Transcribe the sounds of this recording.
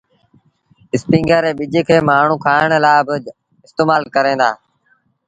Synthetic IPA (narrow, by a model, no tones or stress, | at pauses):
ɪspĩːŋɡəːɾeːɓɪd͡ʒeːkʰeːmaːɳ̤ũːkʰaːɪɳlaːbɪ | ɪst̪eːmaːlkəɾẽːnd̪a̰ː